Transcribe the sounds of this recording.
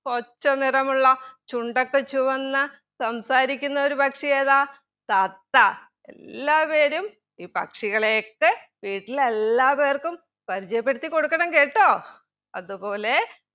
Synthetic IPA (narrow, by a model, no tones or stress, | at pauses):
ko̞t͡ɕːɐnirɐmuɭːɐt͡ɕuɳɖɐkːet͡ɕːuʋɐnːɐ | sɐmsaːɾikʲːunːɐo̞ɾubɐkʂijeːðaː | t̪ɐt̪ːɐ | ḛllːaːpe̞ːɾum | iːpɐ̰kʂiɣɐɭe̞ːkːɨʋiːʈːile̞lːaːpe̞ːrkum | pɐɾit͡ɕɐjɐpːe̞ɽut̪ːiko̞ɽukːɐɽɐmke̞ːʈːo̞ː | ɐ̰ðupo̞ːle̞